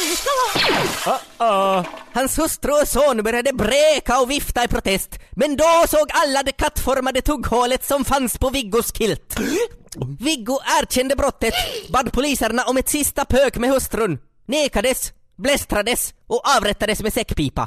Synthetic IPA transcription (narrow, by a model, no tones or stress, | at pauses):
hɑnshʉst̪ɾʉɔsoːnbœɾjad̪əbɾeːkaɔːvɪft̪aipʰɾʊt̪ʰɛst̪mɛnd̪oːsoːɡalːad̪eːkʰat̪ːfɔɾmad̪ət̪ʰʊɡhoːlət̪sɔmfɑnspoːʋɪɡʊskʰɪlt̪ | vɪɡʊʔæːɾc͡çɛnd̪əbɾɔt̪ːət̪bɑd̪pʰʊliːsəɾnaʔɔmɛt̪sɪst̪apʰøːkmeːhʊst̪ɾʉn | neːkad̪əs | blɛst̪ɾad̪əsʔoːʔɑːvɾɛt̪ːɑd̪əsmeːsɛkːpiːpa̰